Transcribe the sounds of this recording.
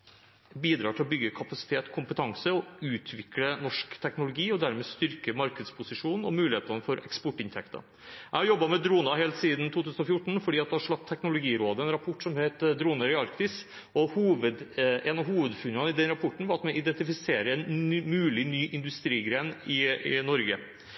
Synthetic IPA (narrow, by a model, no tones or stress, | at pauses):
biːd̪ɾɑ̰ːʈʰɪlɔbʏɡːəkʰɑpɑsɪ̥t̪ʰeːt̪kʰʊmpət̪ʰɑŋsəɔʉːt̪ʰʋɪklənɔʂkt̪ʰɛknʊlʊɡiːɔd̪æɾmɛːst̪ʏɾkəmɑɾkəd̪spʰʊsɪʂuːnn̩ɔ̰mʉːlɪheːt̪ɑnəfɔɾɛkspɔʈːɪnt̪ʰɛkt̪ɑ̰ | ʔæɪhɑɾjɔbːɑmɛd̪ɾuːnɑɦeːlt̪siːd̪n̩t̪ʰuːt̪ʉːsn̩ɔfjʊʈɳ̩fɔɖiːɑt̪̚d̪ɛhɑʂɭɑp̚t̪ʰːɛknʊlʊɡiːɾoːd̪əɛnɾɑpʰɔʈːsɔmheːt̪d̪ɾuːnɑɾɪɑɾkt̪ɪs | ɔhuːʋəd̪ɛnɑhuːʋəd̪fʉnɑnɪd̪ɛnɾɑpʰɔʈːɳ̩ʋɑɾɑt̪mɛʔɪd̪ɛnt̪ɪfɪseːɾəɛnmʉːlɪnyːʔɪnd̪ʉst̪ɾiːɡɾeːnɪɪnɔɾɡə